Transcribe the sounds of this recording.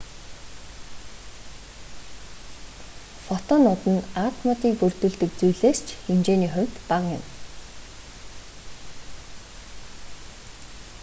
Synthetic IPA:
fɔt̪ʰɔnʊt̪ə̆nat̪ʰmɔt̪iːkpɵrt̪ɵ̆ɮt̪ɵ̆k̚t͡sujɮeːst͡ɕʰxemt͡ɕeːniːχʊwʲt̪paʁjʊ̰̆m

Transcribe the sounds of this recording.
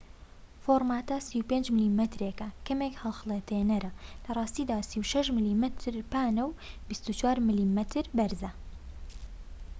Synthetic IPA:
foɾmaːt̪ɐsiwpend͡ʒmɨlimɛt̪ɾekɐkʰɐmekhɐlˠxlˠet̪ʰenɐɾɐlɐrˤɑːst̪iːd̪aːsiwʃɐʃmɨlimɛt̪ʰɾpaːnɐwbist̪ut͡ʃwaːɾmɨliːmɛt̪ʰɨɾbɐɾzɐ

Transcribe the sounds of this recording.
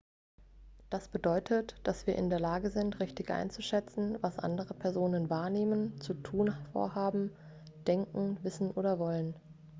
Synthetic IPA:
d̥asb̥ədɔʏtʰətd̥asv̥iːɐʔɪ̰ndeːɐlaːɡəzɪntʁɪçtɪçʔa̰ɪnt͡suʃɛt͡sn̩vasʔa̰ndəʁəpʰɛɐzoːnənvaːɐneːmənt͡sutʰuːnfo̰ːɐhaːbm̩ | d̥ɛŋkŋ̩vɪsn̩ʔoːdɐvɔlən

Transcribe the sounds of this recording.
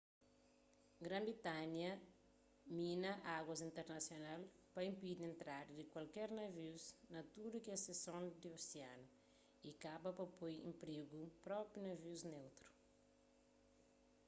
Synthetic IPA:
ɡɾɐ̃mbɾit̪anjɐ | mĩnɐʔaɡwɐzĩnt̪eɾnɐsjonal | pɐĩmpid̪ẽnt̪ɾad̪id̪ikwalkɛɾnɐviwznɐt̪ud̪ukiɛsesõnd̪ioseanɐ | ikabɐpɐpojḛ̃mpɾeɡupɾɔpjunɐviwznewt̪ɾu̥

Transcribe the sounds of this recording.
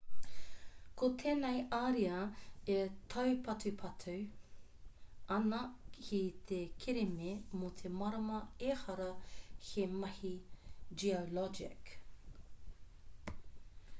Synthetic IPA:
kʰotʰeːnejaɾiɐetʰɐwpʰɐtʉpʰɐtʰu | ɐnɐkʰit̪ʰekʰeɾememot̪ʰemɐɾɐmɐeːhɐɾɐhemɐhid͡ʒiolɔd͡ʒɪk

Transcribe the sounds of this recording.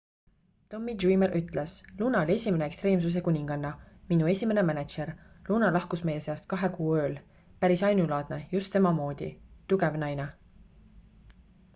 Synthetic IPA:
t̪o̞mːid̪ʒuimeɾʔyt̪ːˑle̞sluːnɑolʲe̞sʲime̞neekst̪re̞ːmsus̬e̞kunʲiŋɡ̥ɑnːɑminue̞sʲime̞ne̞mænet̪t͡ʃe̞r | luːnɑlɑhkusme̞je̞se̞ɑst̪̚kɑɦe̞kuːø̞ːl | pæɾisɑjnulɑːd̪̥nejust̪ːe̞mɑmo̞ːd̪̥ʲḭt̪uɡe̞vnɑjne

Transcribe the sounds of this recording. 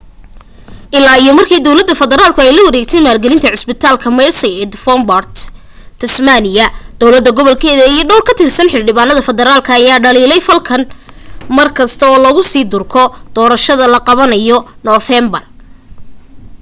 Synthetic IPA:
ʔɪlaːijɔmɐrkʰiːd̪ɔwlɐd̪ːɐfɐðɛɾaːlkʰʊɛjlɐwɐɾɛːɡ̚t̪ʰɛjmaːlɡɛlɪnt̪ʰɐʕɪsbɪt̪ʰaːlkʰɐmɛjrsɐjɛːd̪fɔmbɐrt̪ʰː | ɐsmanɪjɐd̪̥ɔwlɐd̪ːɐɡɔβɔlkʰɛːðɐijɞɖɔwlkʰɐt̪ʰɪrsɐnħɪlɖɪβaːnːɐðɐfɛðɛɾaːlkʰɐːjaːɖɐliːlɛjfɐlkʰɐn | mɐrkʰɐst̪ʰɐɔːlɐɣʊsiːd̪ʊrkʰɔd̪̥ɔːɾɐʃɐðɐlɐqɑβɐnɐjɔnɔːfɛmbɐr

